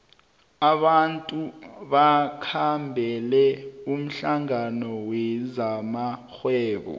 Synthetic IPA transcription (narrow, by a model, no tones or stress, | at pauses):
aɓantʼuɓakʰambʱɛlɛum̩ɬaŋanɔwɛzamaxwɛːɓɔ̰